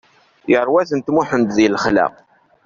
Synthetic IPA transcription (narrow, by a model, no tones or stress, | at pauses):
jəɾˤwæθənt̪mʊħənt̪ðilχlæ̰q